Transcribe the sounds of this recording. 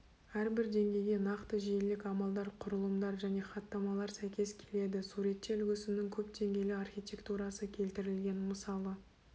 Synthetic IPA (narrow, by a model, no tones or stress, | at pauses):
æɾbɪɾd̪e̞ŋɡʲe̞jɡʲe̞nɑqt̪əʒijelɪkʲɑmɑlˠd̪ɑɾqʰʊɾəlˠəmd̪ɑɾʒæne̞χɑt̪ːɑmɑlˠɑɾsæjkʲe̞skʲʰe̞le̞d̪ɪsuɾe̞t̪ːe̞lʏɡʲʏsɪmnɪŋkʲʰɵpd̪e̞ŋɡʲe̞jlɪɑrχʲijt̪ʲe̞kt̪uɾɑsəkʲʰe̞lt̪ɪɾɪlɡʲe̞nməsɑlˠə